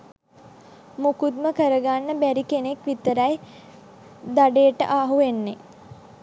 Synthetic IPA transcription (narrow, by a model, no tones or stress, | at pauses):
mukud̪məkəɾəɡanːəbæɾikenekʋit̪əɾaj | d̪aɖeːəʈə̰ʔaːɦuʋenːe